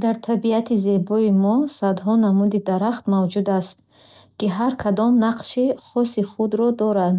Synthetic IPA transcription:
d̪aɾt̪ʰabiat̪ʰize̞bɔimɔsad̪ɦɔnamud̪id̪aɾaχt̪mavd͡ʒud̪ast̪ | kiɦaɾkʰad̪ɔmnaqʃiχɔsiχud̪ɾɔd̪ɔɾand̪

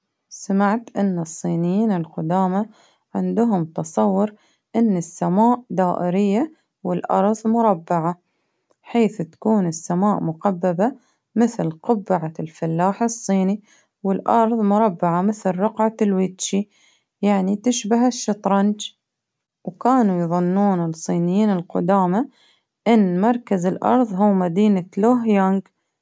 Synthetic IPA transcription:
samaʕt̪ʔɪnːɨsˤːiːnɪjiːnɪlqʊd̪aːma | ʕɪnd̪ʊɦʊmt̪ɑsˤɑwːʊɾ | ʔɪnːɪsːamaːʔd̪aːʔɪɾɪjːa | wɪlʔɑ̰ɾˤðˤmʊɾˤɑbːaʕa | ħeːθt̪ḁkuːnɪsːamaːʔmʊqabːaba | mɪθlqʊbːɪʕalfalːaːħɪsˤːiːni | wɪlʔɑɾˤðˤmʊɾˤɑbːaʕamɪθlɾʊqʕalwɪt̪ʃi | jaʕnit̪ɪʃbaɦaʃːɑt̪ˤɾˤɑnd͡ʒ | wkaːnujðˤʊnːuːnɪlsˤiːnɪjːiːnɪlqʊ̰d̪aːma | ʔɪnːmɑɾˤkazɪlʔɑ̰ɾˤðˤɦuːmad̪iːnaloɦjaŋɡ

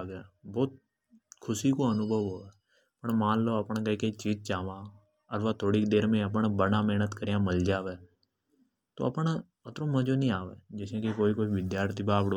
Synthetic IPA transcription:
ɡɛːbɔːt̪̚ | kʰʊsiːkoːənʊbʱəʋɦoːɛː | pəɳmãːlloːəpɳːkəikeit͡ʃiːd͡ʒt͡ʃaːʋãː | əɾʋaːt̪ʰoːɽiːkd̪eːɾmẽːəp̬ɳːbənãːmɛːnət̪kəɾijãːməld͡ʒaːʋeː | t̪o̰ːəpɳ | ət̪ɾõːmə̃d͡ʒoːnĩːaːʋḛːd͡ʒɪsẽːkekoːiːkʊt͡ʃʰʋɪd̪jaːɾt̪ʰiːbaːbɽo

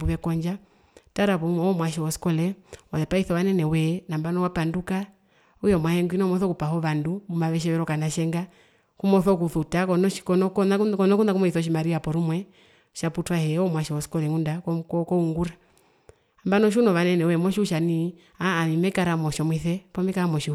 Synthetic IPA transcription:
uβɛkɔɲd͡ʒa | taɾaβɔmɔmwaʃ̬ɛwɔskɔlɛwaðɛpaiθɔʋanɛnɛwɛnambanɔwapanduka | ujɔmwahɛŋɡwinɔmɔθɔkupahɔʋandumumaʋɛʃ̬ɛʋɛɾɔkanaʃɛŋɡa | kumɔθɔk̬uθutakɔnɔʃkɔnɔkkɔnɔkunakumwɔiθɔʃ̬imaɾiapɔɾumwɛ | ʃaputwahɛɔmwaʃɛwɔskɔlɛŋundakkɔkɔuŋɡuɾa | ambanɔʃ̬unɔʋanɛnɛwɛmɔʃiuʃani | aːnimɛkaɾamɔʃɔmwiθɛpɔmɛkaɾamɔʃi

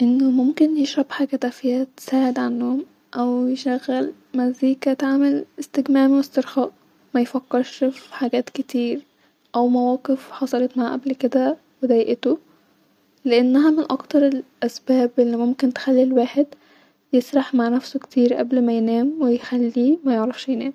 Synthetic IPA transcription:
ʔenːomomkenjeʃɾˤɑbħaɡæt̪æfiːhæt̪sæːʕed̪ʕanːohom | ʔæwjeʃæɣːæl | mæziːkæt̪aʕmelest̪eɡmæːʕmiwest̪eɾxɑːʔ | mæjfɑkːeɾˤʃfħaɡæːt̪ket̪iːɾ | ʔæwmæwæːqefħɑsˤɑlet̪maʕaʔæblked̪æ | wed̪æjʔet̪o | leʔenːæɦæmenʔɑkt̪ɑɾˤelʔæsbæːbʔelːimomkent̪e̥xælːilwaːħed̪ | jesˤɾˤɑħmaʕnæfsokt̪iːɾʔæ̰blmæjenæːmwejxælːimæjeʕɾˤɑfʃjenæːm

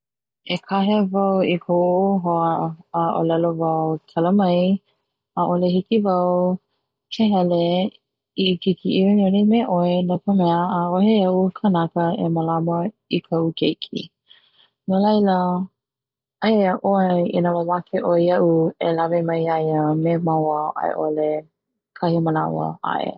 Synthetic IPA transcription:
ekʰaɦevɐwikʰowoɦoəaʔo̰lɛlovawtʰɐləmɐj | aʔolehikivɐw | kʰeɦɛle | ikikʰiʔiinonemɛʔoenopʰəmɛəaoɦeɐukʰənakəeməlamə | ikʰɐukʰejkʰḭ | nolɐjlə | ajeəʔoeinawawakʰeʔojɐʔuelavemɐjajəmemawəʔa̰ḛʔole | kʰɐhiməna̰wə̰ʔa̰ʔḛ

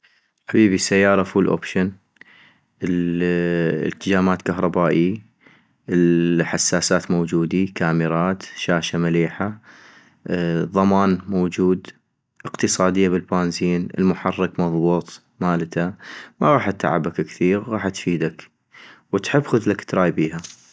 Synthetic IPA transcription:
ħabiːbisːajːɑːɾˤɑfuːlʔo̰ːpʃan | t̪ːɪd͡ʒaːmaːt̪kaɦɾˤɑbaːʔi | ħasːaːsaːt̪mowd͡ʒuːd̪ikaːmɪɾɑːt̪ʃaːʃamaliːħa | ðˤɑmaːnmoːd͡ʒuːd̪ | ʔəqt̪ɨsˤɑːd̪ɪjːabɪlbaːnziːnɪ̰lmʊħɑrˤːɪkmɑðˤbuːt̪ˤ | maːlt̪amaɣɑːħat̪ːa̰ʕa̰bakkθiːɣɣɑːħt̪fiːd̪ak | wət̪ħɪbːxʊðlakt̪ɾˤɑːjbiːha

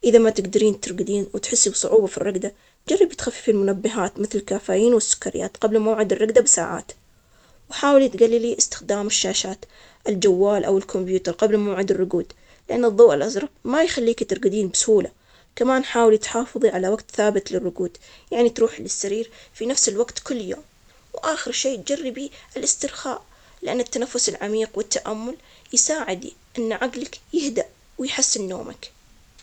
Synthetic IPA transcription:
ʔɪðamat̪ɪɡd̪ɪɾiːnt̪ɪɾˤɡɪd̪iːnwɪt̪ħɪsːibsˤʊʕuːbafirːɑɡd̪a | d͡ʒarˤːɑbt̪xafːi̥filmʊnabːɪɦaːt̪mɪθlɪlkaːfaːjiːnwɪsːʊ̥kːaɾɪja̰ːt̪qɑblmawʕɪd̪ɪrˤːɑɡd̪abɪsa̰ːʕa̰ːt̪ | wɪħaːwɪlit̪ɡalːiliʔɪst̪ɪ̥xd̪aːmɪʃːaːʃaːt̪ | ʔɪld͡ʒawːaːlʔa̰wɪlkʰʊmbjuːt̪ɑɾˤqɑblmawʕɪd̪ɪrˤːʊɡuːd̪ | lɪʔanːɨðˤːoːʔɪlʔazɾˤɑbmajxalːiːkt̪ɪɾɡɪd̪iːnbɪsʊhuːla | kamaːnħaːwɪlit̪ħɑːfɨðˤiʕalawaɡt̪θaːbɪt̪lɪrːʊɡuːd̪̥ | jaʕnit̪ɾuːħlɪsːaɾiːɾfinafsɪlwaɡt̪kʊlːjo̰ːm | wʔaːxɪɾʃeːt̪̚d͡ʒarːɪbiʔɪlʔɪst̪ɪɾxa̰ːʔ | lɪʔanːɪt̪ːanafːʊsɪlʕamiːqwɪt̪ːaʔamːʊljsaːʕɪd̪iʔɪnːʕaɡlakjɪhd̪aʔ | wɪjħɪsːɪnːo̰ːma̰k

